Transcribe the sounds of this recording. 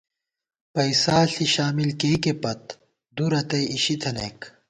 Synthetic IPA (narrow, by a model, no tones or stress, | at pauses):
pɐisaːɬiɕaːmilkejkepɐt̪̚ | d̪uɾɐt̪ɐiɕit̪ʰɐnḛk